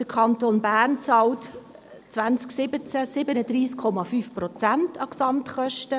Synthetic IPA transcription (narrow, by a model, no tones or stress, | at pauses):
d̥əkʰɑntonbæːɾnt͡sɑːlt | t͡sʋænt͡sksɪbət͡sæsɪbənəd̥ɾiːskʰːɔmɑfyːfprɔt͡sæntʰɑksɑmtχœʃtə